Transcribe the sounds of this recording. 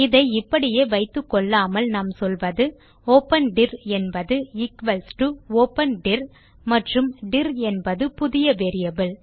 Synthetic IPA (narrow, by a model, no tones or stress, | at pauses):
ɪðɐɪɪpːɐɽɪjeːʋɐɪt̪ːɯkːɔɭːaːmɐlnɐmsɔlʋɐðɯ | oːpːɐnɖɪɾɛnbɐðɯɪkʋɐlsʈɯoːpːɐnɖɪɾ | mɐʈrɯmɖɪɾɛnbɐðɯpʊðɪjɐʋeːɾɪjɐbɪl